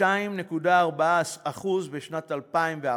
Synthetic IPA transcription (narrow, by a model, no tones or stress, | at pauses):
aimne̞kudaːʁbaaaχuzbeʃnatalpaimvea